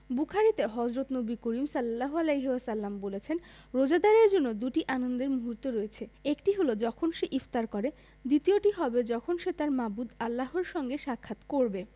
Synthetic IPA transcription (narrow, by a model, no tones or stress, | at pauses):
bukʰaɾit̪eɦɔd͡ʑɾot̪nobikoɾimsɐlːalːaɦoalejɦeasalːambolet͡ɕʰen | ɾod͡ʑad̪aɾeɾd͡ʑonːod̪uʈiʔanond̪eɾmuɦuɾt̪ːoɾoet͡ɕʰeekʈiɦolod͡ʑɔkʰonʃeʔift̪aɾkɔɾe | d̪it̪ioʈiɦɔbed͡ʑɔkʰonʃet̪aɾmabud̪alːaɦoɾʃɔŋɡeʃakʰːat̪koɾbe